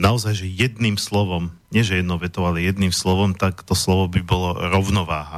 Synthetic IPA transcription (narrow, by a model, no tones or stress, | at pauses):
naɔzajʒɛjɛd̪niːmslɔʋɔmɲɪɛʒɛjɛd̪nɔʊʋɛt̪ɔʊalɛjɛd̪niːmslɔʋɔmt̪akt̪ɔslɔʋɔbibɔlɔɾɔʊnɔʋaːɦa